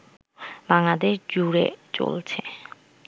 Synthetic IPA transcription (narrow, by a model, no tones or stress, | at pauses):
baŋlad̪eʃd͡ʑuɾḛt͡ɕo̰lt͡ɕʰe